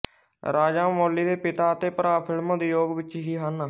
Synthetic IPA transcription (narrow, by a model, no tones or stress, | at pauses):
ɾaːd͡ʒãːmoːlːiːd̪eːpɪt̪aːət̪eːpəɾaːpʰɪlmãːd̪eːjoːɡʋɪt͡ʃɦiːɦaːnaː